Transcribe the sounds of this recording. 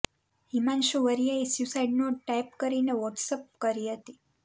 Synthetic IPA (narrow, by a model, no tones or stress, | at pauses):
ɦimanʃuʋəɾijaesusaiɖnõʈajp̚kəɾineʋəʈsəp̚kəɾiɦət̪i